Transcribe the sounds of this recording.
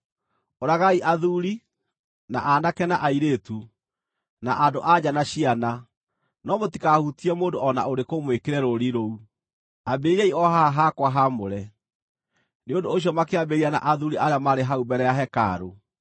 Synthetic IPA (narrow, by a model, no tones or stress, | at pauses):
oɾaɣaiʔaðuɾi | na̰ʔanakɛnaʔaiɾetu | naʔadoʔad͡ʑanaɕiana | nɔmotikahutiɛmoːndoɔna̰oɾekomwekeɾɛɾoɾiɾou | abeɾɛiɔɦaɦakwaɦamoɾɛ | neondoːɕ̬jɔmakeabeɾiana̰ʔaðuɾiʔaɾeamaɾeɦaubɛɾɛjaɦɛka̰ɾo